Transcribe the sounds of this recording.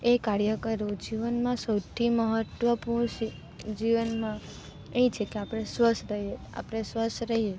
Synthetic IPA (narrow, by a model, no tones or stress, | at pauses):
ekaɾjəkəɾod͡ʒiʋənmãsəwt̪ʰiməɦət̪ʋəpuɽ̃si | d͡ʒiʋənmã | et͡ʃʰekeapɽ̃esʋəsɾəɦe | a̰pəɽ̃esʋəsɾəɦie